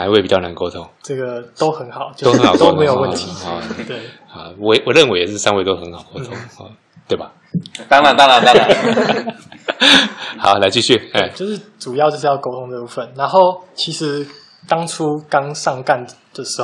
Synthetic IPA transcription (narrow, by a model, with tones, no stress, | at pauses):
na˧˦nwe˥˩pi˨t͡ɕɑ˥˩ʊna˧˦nko˥ʊt̪ʰʊ˧˦ŋʈ͡ʂɤ˥˩ɡə˨˩t̪o˥ʊxə˧˥nxɑ˨˩ʊt͡ɕo˥˧˩o˥xə˧˦nxɑ˨˩t̪o˥ʊme˧˦jo˨˩ʊwə˥˩nt̪ʰi˨˩t̪we˥˩ɪ˨˩ | wɔ˨wɔ˨˩ɻə˥nwe˧˦jɛ˨˩ʂɻ̩˥˧ʂɑ˥ŋwe˥˧ɪt̪o˥xə˧˦nxɑ˨˩ʊko˥ʊt̪ʰʊ˥ŋɔ˧˩ | t̪we˥˩ɪba˨˩ | t̪ɑ˥ŋlɑ˧˨˩t̪ɑ˥˦ŋla˨˩ŋɑ˥a˥˨ | xɑ˨˩˦ʊla˧˥ɪt͡ɕi˥˧ɕy˥˩ɛ˥˩t͡ɕjo˥˧ʊʂɻ̩˥˩ʈ͡ʂu˨˩jɑ˥˧t͡ɕjo˥˧ʂ̬̩˥˩jɑ˥˧ʊko˥ʊt̪ʰo˥ŋd̪ə˨˧pu˥˩fə˩nna˧˦nxo˥˩ʊt͡ɕʰi˧˥ʂɻ̩˧˦ | t̪ɑ˥ŋʈ͡ʂʰu˦kɑ˥ŋʂɑ˥˧ŋka˥˩nd̪̥ə˩ʂɻ̩˧˥˨